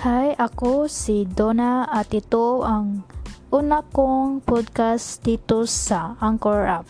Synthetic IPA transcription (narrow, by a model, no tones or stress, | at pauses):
hajʔakosid̪onaːt̪ɪt̪oʔaŋʔunakoŋpɔd̪̚kasd̪̥it̪osaaŋkɔɹʔap̚